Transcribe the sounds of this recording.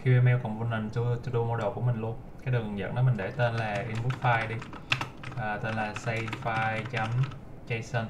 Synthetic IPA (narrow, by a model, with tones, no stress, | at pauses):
xi˧ʔe˧mɛ˧wkɔ̰˨˩ŋ͡mvu˧nə˨˩nt͡ɕu˧t͡ɕu˧ɗo˧mo˧ɗo˨˩ku˧˩əmï˨˩ŋ̟lu˧ənkaː˨˦jɗɨ˨˩ŋɨ˨˩ŋzə̰˧˨nɗɔ˨˦mï̟˨˩ɗe˧˩t̪e˧nlaː˨˩ʔi˧nɓu˦˥t̚faː˧jɗi˧ | ʔəː˨˩t̪e˧˩nlaː˨˩sə˧jfaː˧jt͡ɕa˨˦m | t͡ɕə˧jsə˧n